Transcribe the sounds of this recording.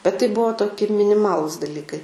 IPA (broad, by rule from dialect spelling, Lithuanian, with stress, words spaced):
bʲɛt tɐɪ ˈbʊʋoː toːˈkʲɪ mʲɪnʲɪˈmɑːlˠʊs dɐˈlʲiːkɐɪ